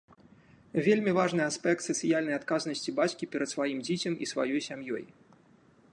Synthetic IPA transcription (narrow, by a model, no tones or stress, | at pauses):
vʲelʲmʲivaʐnɨaspʲɛk̚t̪sɐt̪sɨjalʲnɐjat̪kaznɐsʲt͡sʲibat͡sʲkʲipʲɛɾɐt̪svajimd͡zʲet͡sʲɐmḭsva̰jɔjsʲamjɔ̰j